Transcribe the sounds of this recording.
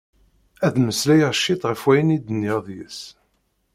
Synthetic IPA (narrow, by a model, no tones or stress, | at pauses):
æðməslæjʁʃːɪt̪ʁəfwæjənid̪ənːɪʁðjəs